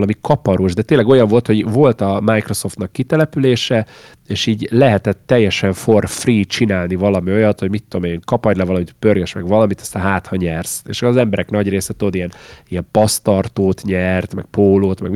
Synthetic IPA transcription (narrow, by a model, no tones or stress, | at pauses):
lɒmikɒpɒɾoʒd̪ɛt̪eːnlɛɡo̞jɒɱvo̞lt̪ho̞ɟvo̞lt̪ɒmajkro̞so̞ft̪nɒkːit̪ɛlɛpyleːʃɛ | eːʃiːɟlɛɦɛt̪ɛt̪ːɛjːɛʃɛɱforfriːt͡ʃinaːlnivɒlɒmio̞jɒt̪ho̞ɟmit̪ːod̪omeŋkɒpɒjlɛvɒlɒmit̪pørɡøʃmɛɡʋɒlɒmit̪ɒ̥st̪aːnɦaːt̪hɒɲɛrsḛːʃzɛmbɛɾɛknɒɟreːsɛt̪o̞d̪ijɛnijɛmpɒst̪ɒrt̪oːt̪ɲɛrt̪mɛk̚poːloːt̪mɛɡm